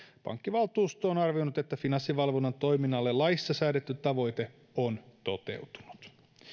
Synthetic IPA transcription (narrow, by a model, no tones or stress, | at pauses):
pɑ̰ŋkːiʋɑlt̪uːst̪oːnɑrʋio̞nut̪e̞t̪ːæfinɑnsːiʋɑlʋonːɑnt̪o̞jminːɑlːelɑisːɑsæːdet̪ːyt̪ːɑʋo̞jt̪e̞ | o̞nt̪o̞t̪e̞̰wt̪u̥nu̥t̪